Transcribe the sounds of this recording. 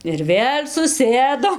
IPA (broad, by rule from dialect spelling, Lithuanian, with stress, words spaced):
ɪr ˈʋʲeːlʲ sʊˈsʲeːdoːm